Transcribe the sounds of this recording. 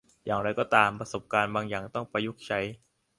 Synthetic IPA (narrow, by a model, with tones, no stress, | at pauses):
jaː˨˩ŋɾa˧jkɔː˥˩t̪aː˧mpɾa˧so˨˩p̚kaː˧nbaː˧ŋjaː˨˩ŋt̪ɔ˥˩ŋpa˧jːu˦˥˩k̚t͡ɕʰa˦˥j